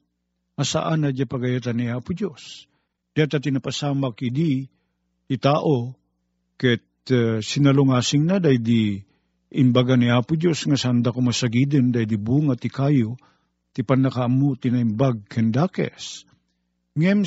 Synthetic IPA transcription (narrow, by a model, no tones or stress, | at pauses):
asa̰ʔanɐd͡ʒapɐɡajat̪anːiaːpʊd͡ʒos | d̪̥ɐat̪at̪ɪnapasaːmakid̪i | t̪it̪aːʔo | kɛt̪sɪnɐloŋaːsɪŋnad̪ajd̪i | ʔɪmbaɡaniaːpʊd͡ʒosŋasand̪akomasaɡid̪ənd̪ajd̪ibuŋat̪ɪkajo | t̪ipanakaamut̪ɪnaimbaɡ̚kʰɛnd̪aːkɛ̰s | ŋɛm